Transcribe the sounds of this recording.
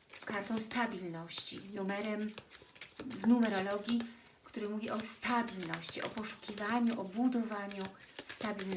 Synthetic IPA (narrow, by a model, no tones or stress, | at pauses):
kaɾt̪ɔ̃w̃st̪abʲilnɔɕt͡ɕḭnumɛɾɛm | vnumɛɾɔlɔɡʲi | kt̪uɾɘmuvʲiʔɔst̪abʲilnɔɕt͡ɕiʔɔpɔʂu̥kʲivaɲuʔɔbud̪ɔvaɲu | st̪abʲiln